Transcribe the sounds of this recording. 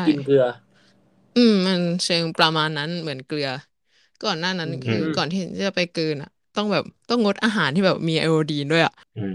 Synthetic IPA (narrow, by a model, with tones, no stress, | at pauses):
a˥˩i˧nkɯ˧ɐ | ʔɯː˧mma˧nt͡ɕʰɤː˧ŋpɾa˧maː˧nːa˦˥nmɯ˩˦ənklɯ˧ɐ | kɔː˨˩nːaː˥˩na˦˥nkʰɯː˧kɔː˨˩nt̪ʰiː˥˧˩t͡ɕa˨˩pa˧jkɯː˧nʔa̰˨˩ʔt̪ɔ˥˩ŋbɛː˨˩p̚t̪ɔ˥˩ŋːo˦˥t̪̚ʔaː˧ɦaː˩˦nt̪ʰiː˥˩bɛː˨˩p̚miː˧ʔa̰˧ʔoː˧diː˧du˥˩əjʔa̰˨˩ʔ